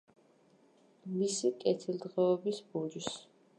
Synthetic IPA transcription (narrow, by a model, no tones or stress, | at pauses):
misikʼɛt̪ʰilˠd̪ʁɛːbisbud͡ʒis